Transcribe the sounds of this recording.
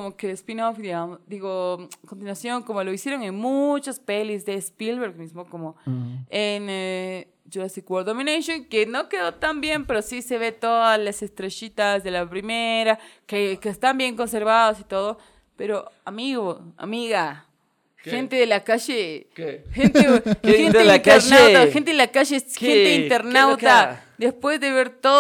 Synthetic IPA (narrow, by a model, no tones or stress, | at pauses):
omokespinofd̪iɣamod̪iɣoakont̪̬inwasjo̞ŋkomoloisjeɾo̞ŋenmut͡ʃaspelizðespilβeɾɣmismokomoen | d͡ʒoɾasikwoɾd̪omĩnejʃjoŋkenokeðot̪ambje̞mpe̞ɾosiseβe̞t̪oðaslasest̪ɾeʃit̪azðelapɾimeɾakekest̪ambje̞ŋkonseɾβaðosit̪oðo | peɾoamiɣoa̰miɣa | xent̪eðelakaʃekxent̪exenek̪eɾnawt̪axent̪eðelakaʃexxeeint̪eɾnawt̪a | d̪espwezðeβeɾt̪o